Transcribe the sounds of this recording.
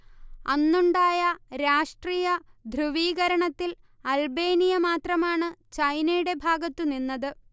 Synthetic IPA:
ɐnːuɳɖaːjɐɾaːʂʈriːjɐd̪ʱrɨʋiːɣɐɾɐɳɐt̪ːil | ɐlbe̞ːnijɐmaːt̪rɐmaːɳɨt͡ɕɐjnɐjuɽe̞bʱaːɡɐt̪ːuninːɐðɨ

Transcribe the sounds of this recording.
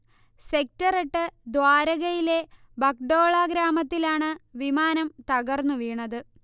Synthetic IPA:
se̞k̚tɐreʈːɨd̪ʋaːɾɐɣɐjile̞ | bɐk̚ɖo̞ːɭaːɡɾaːmɐt̪ːilaːɳɨʋimaːnɐmt̪ɐɣɐrnːuʋiːɳɐðɨ

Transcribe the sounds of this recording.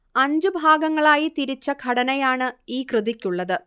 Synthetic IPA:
ɐɲd͡ʑɨbʱaːɡɐŋːɐɭaːjit̪iɾit͡ɕːɐɡʱɐɽɐnɐjaːɳɨiːkrɨðikʲːuɭːɐðɨ

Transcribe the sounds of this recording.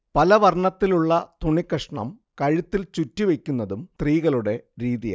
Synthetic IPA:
pɐlɐʋɐrɳɐt̪ːiluɭːɐt̪uɳikːɐʂɳɐ̰mkɐɻit̪ːilt͡ɕutːiʋe̞kʲːunːɐðumt̪riːɣɐɭuɽe̞ɾiːðija̰

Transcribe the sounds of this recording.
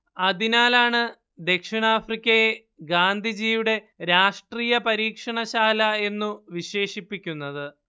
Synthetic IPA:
ɐðinaːlaːɳɨ | d̪e̞kʂiɳaːfrikʲːɐje | ɡaːnd̪ʱid͡ʑiːʋuɽe̞ | ɾaːʂʈriːjɐpɐɾiːkʂɐɳɐɕaːlɐe̞nːuʋiɕe̞ːʂipːikʲːunːɐðɨ

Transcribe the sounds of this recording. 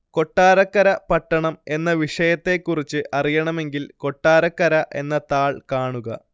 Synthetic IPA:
ko̞ʈːaːɾɐkːɐɾɐpɐʈːɐɳɐme̞nːɐʋiʂɐjɐt̪ːe̞kːurit͡ɕːɨʔʔɐrijɐɳɐme̞ŋɡilko̞ʈːaːɾɐkːɐɾɐʔe̞̰nːɐt̪aːɭkaːɳuɣɐ

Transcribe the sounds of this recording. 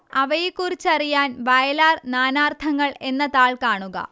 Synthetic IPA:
ɐʋɐjikːurit͡ɕːɐrijaːnʋɐjɐlaːrnaːnaːrt̪ʰɐŋːɐɭe̞nːɐt̪aːɭkaːɳuɣɐ̰

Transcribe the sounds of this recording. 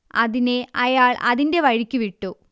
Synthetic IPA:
ɐðineʔɐjaːɭʔɐðinde̞ʋɐɻikʲːuʋiʈːu

